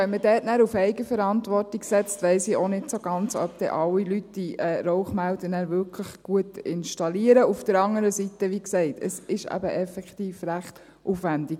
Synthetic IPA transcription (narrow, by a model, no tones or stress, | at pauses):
ɛnmədɛːtnæːɾufɛɪɡəfəɾɑntʋɔrtiɡsɛt͡stʋɛɪsiʔonɪdsoɡ̥ɑnt͡sœ̰p̚t̪ɛ̰ʔɑlːilyt̚d̥iɛːɾɔʊχmældənæːɾvʏɾkʰləχɡ̥uətɪnʃtɑliəɾəufd̥əɾɑŋəɾəsitəʋiksɛɪtʰəsɪʃæ̰bəʔɛfɛktiːfɾæχt | ʔufʋændik